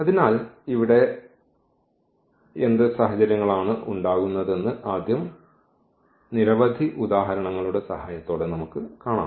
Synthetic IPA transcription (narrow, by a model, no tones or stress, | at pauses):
ɐðinaːliʋiɽe̞ | end̪ɨsɐɦɐt͡ɕɐɾjɐŋːɐɭaːɳɨʔuɳɖaːɣunːɐðe̞nːɨʔaːd̪jɐm | niɾɐʋɐd̪ʱiʔud̪aːɦɐɾɐɳɐŋːɐɭuɽe̞sɐɦaːjɐt̪ːo̞ːɽe̞nɐmukːɨkaːɳa̰ː